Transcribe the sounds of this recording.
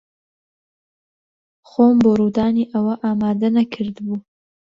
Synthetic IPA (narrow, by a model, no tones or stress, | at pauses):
xoːmboɾud̪aːniːʔɐwɐʔaːmaːd̪ɐnɐkʰɨɾd̪buː